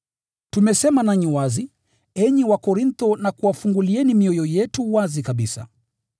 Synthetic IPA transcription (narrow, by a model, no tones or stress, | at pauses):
tumɛsɛmanaɲiwazi | ɛɲiwakɔɾint̪ɔnakuafuŋɡuliɛnimiɔjɔjɛtuwazikaɓisa̰